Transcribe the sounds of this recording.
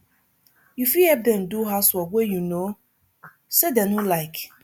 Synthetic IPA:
jufihɛp̚dɛ̃nduɦaswɔwejuno | sedɛnulaɪk

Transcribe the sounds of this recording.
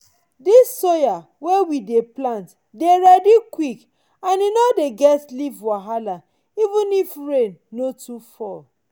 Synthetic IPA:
disːoja | wewideplãnt | deɹɛdikwik | ãninodeɡɛtslivwaɦala | ivũnifɹẽnːotufɔl

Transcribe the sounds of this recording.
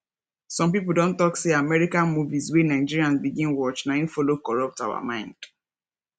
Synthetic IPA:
sɔ̃mpipl̩dõntɔkseamɛɹikãnmuviswenaɪd͡ʒiɹiãnbiɡĩnwɔt͡ʃnajĩfɔlokɔɹɔp̚tawa̰mãɪ̃nd̥

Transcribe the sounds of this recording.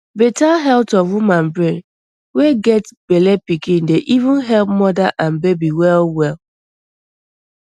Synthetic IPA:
betaɦɛltɔfwumãnbɹẽn | weɡɛtb̥elɛpikĩndeʔivũnɦɛlˠp̚mɔdaʔãnbebiwɛlwɛl

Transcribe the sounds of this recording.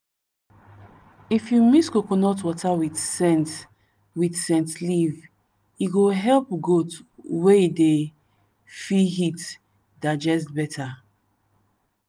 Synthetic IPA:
ifjumiskokonɔtwɔtʰawidsɛ̃nt | widsɛ̃ntliv | iɡoɦɛlpɡotweide | fiɦit | dad͡ʒɛs̬tbɛtʰa

